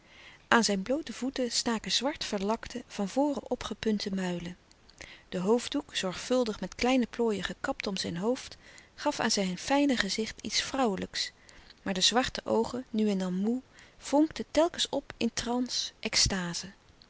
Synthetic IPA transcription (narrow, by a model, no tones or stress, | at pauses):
ʔaːnzɛjnblowtəvutəstaːkəzʋɑɹtfəɹlɑktəv̥ɑnvʊːrəʔɔpχəpɵntəmœɥlə | d̥əɦowvdukz̥ɔɹχfɵlˠdəχmɛtklɛjnəploːjəχəkɑptɔmzɛjnɦowftχɑfa̰ːnzɛjnfɛjnəχəzɪχtḭtsfrɑwələksmaːɹdəzʋɑɹtəʔowχənyɛndɑnmuv̥ɔŋktətɛlˠkənsɔpɪntrɑnsʔɛkstaːz̥ə